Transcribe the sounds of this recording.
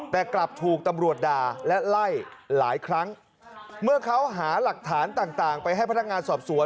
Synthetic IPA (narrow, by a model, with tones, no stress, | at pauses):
t̪ɛː˨˩kla˨˩p̚t̪ʰuː˨˩k̚t̪a˧mɾu˨˩ət̪̚daː˨˩lɛ˦˥la˥˩jlaː˩˦jkʰɾa˦˥ŋ | mɯ˥˩ɐkʰa˦˥wɦaː˩˦la˨˩k̚t̪ʰaː˩˦nt̪aː˨˩ŋt̪aː˨˩ŋpa˧jɦa˥˩jp̪ʰːŋaː˧nsɔː˨˩p̚su˩˦ən